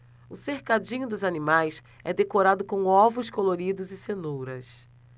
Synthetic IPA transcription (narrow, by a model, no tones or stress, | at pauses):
ʊsehkad͡ʒĩɲʊd̪ʊzanimajs | ɛd̪ekoɾad̪ʊkõɔvʊskoloɾid̪ʊzɪsenowɾɐs